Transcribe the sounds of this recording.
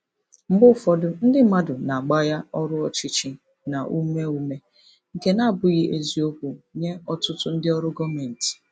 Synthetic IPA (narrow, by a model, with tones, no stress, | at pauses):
m̩˦bʊ˦˨fɔ˦dʊ˦n̩˦dɪ˦ma˦dʊ˨na˨a˨ɡ͡ba˦ja˦ɔ˦ɾʊ˦ɔ˨t͡ʃɪ˦t͡ʃi˦ | na˨ʔu˦me˦u˦me˦ | ŋ̩˨ke˦na˦˨bʊ˦ɣɪ˦ʔe˦zi˦o˦ku˨ɲe˦ɔ˦tʊ˦tʊ˦n̩˦dɪ˦ɔ˦ɾʊ˦ɡɔ˦me˨n̩˨tɪ̥˨